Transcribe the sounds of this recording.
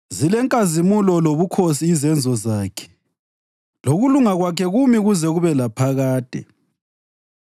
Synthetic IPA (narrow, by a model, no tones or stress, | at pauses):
zilɛŋkʼazimulɔloβukʰosiːzɛnd͡zʱɔzaːkʰɛ̥ | loɣuluŋaɣwakʰɛɣumiɣuzɛɣuβɛlapʰaɣaːd̥ʱɛ̰